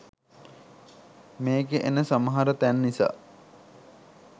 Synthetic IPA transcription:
meːkeʔenəsaməɦaɾət̪ænːisa̰ː

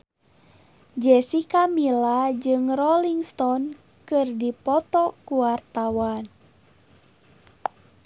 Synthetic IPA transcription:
d͡ʒɛsikamilad͡ʒɨŋrɔliŋst̪ɔn | kɨrdipɔt̪ɔkuwart̪awan

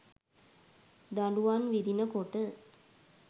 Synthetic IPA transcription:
d̪aluʋanʋid̪inəkoʈə

